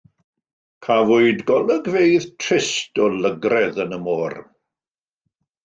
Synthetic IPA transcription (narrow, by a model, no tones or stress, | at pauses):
kʰavʊɨdɡɔlˠəɡvejðtʰrɪstɔləɡrɛðənəmoːr